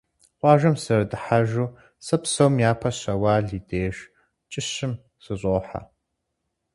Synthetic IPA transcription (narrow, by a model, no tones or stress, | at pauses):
qʷɑːʒɐmsɨrdɨħaʒuː | sɐpsɐwmjaːpʰɐɕɐwaːɮiːdeːʒ | t͡ʃʼɪɕɪm | sɨɕʼoːħa̰